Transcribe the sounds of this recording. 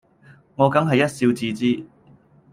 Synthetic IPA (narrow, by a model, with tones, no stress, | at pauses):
ŋɔː˨˧kɐ˨˥ŋɦɐ˨jːɐ˥t̚siː˧wt͡siː˧t͡siː˥